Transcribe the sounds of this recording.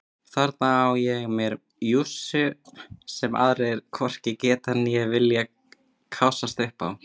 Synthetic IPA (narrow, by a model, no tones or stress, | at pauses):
θaɾt̪̚naawjɛɣmjɛɾ | jusʏsɛmʔa̰ðɾejɛɾkʰvɔr̥cɪcɛːt̪anːijɛvɪlja | kʰawsast̪ʏhpa̰w